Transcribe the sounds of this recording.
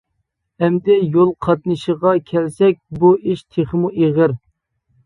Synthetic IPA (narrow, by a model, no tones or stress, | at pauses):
ɛmd̪ɛjolˠqʰɑt̪̚nɨʃəʁɑkʲʰɛlsɛk̚ʲbuiʃt̪ʰeχmuʔeʁɪɾ